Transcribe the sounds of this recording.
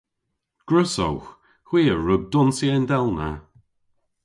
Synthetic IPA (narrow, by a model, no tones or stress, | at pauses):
ɡ̥ɹəso̰wx | xw̥iːəɹʊɡ̚d̪ʊnsjɛndɛlˠna̰